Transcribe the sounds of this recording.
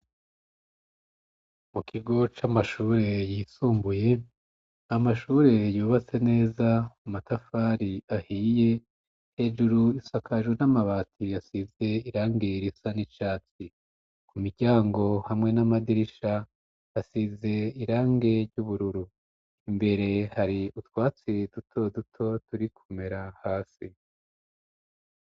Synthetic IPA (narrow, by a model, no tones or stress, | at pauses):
mukʰiɡo̞t͡ʃamaʃuːɾe̞jiːsuːmbuje̞ | amaʃuːɾe̞juːβat͡se̞ne̞ːzaumatafaɾiahiːje̞ | he̞ːʒuɾuisakʰaʒwenamaβaːtʰijasize̞iɾaːŋɡeɾisanit͡ʃaːt͡si | kumiɟaːŋɡo̞hamŋe̞namadiɾiʃa | asize̞iɾaːŋɡe̞ɾɟuβuɾuɾu | imbe̞ɾe̞haɾiutwaːt͡sidutʰo̞dutʰo̞tuɾikʰume̞ɾahaːsi